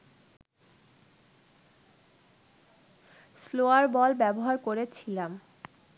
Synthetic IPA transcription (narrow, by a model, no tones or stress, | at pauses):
sloaɾbɔlbɛboɦaɾkoɾet͡ɕʰilam